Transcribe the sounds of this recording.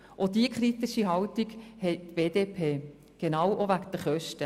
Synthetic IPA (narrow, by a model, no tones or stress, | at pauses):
ʔodiəkχɾit̪ɪʃiɦɑltiɡhɛɪtv̥eːdeːpʰeː | ɡ̥enɑwʔovækd̥̪əχœʃtə